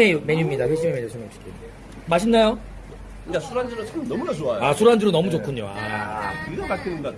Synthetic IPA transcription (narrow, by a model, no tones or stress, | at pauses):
eme̞ɲumɲidaɸweɕ̬͈ʰimemeɲusʰɯmopɕ͈i̥te | maɕʰinːajo | ikasʰuɾand͡ʑɯɾot͡ɕʰanʌmunasʰoajoasʰuɾand͡ʑɯɾonʌmud͡ʑok͈ʰuɲːo̰a̰kidabakʰinɯnda